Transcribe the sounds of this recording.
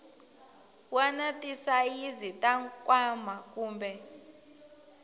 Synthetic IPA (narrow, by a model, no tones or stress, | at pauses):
wanatʼisajizitʼaŋkʼwamakʼuːmbʱɛ